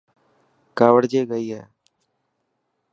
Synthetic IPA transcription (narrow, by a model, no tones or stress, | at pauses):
kaːʋəɽd͡ʒeːɡəiːɦɛː